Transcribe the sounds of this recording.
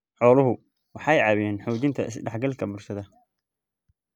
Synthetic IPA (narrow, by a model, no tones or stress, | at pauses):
ħɔːlʊɦʊ | wɑħɑjʕɑβɪjɛːnħuːt͡ʃɪnt̪ʰɐɪsɖɑħɡɐlkʰɐbʊrʃɐðɐ